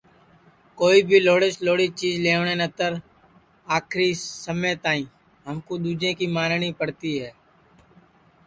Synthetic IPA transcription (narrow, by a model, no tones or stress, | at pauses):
koːibʱiːloːɽɪt͡ʃloːɽit͡ʃiːzleːɳẽnət̪əɾ | aːkʰɾisəmjt̪aːĩː | ɦəmkod̪uːd͡ʒẽːkimaːnnipəɽt̪iɦɛː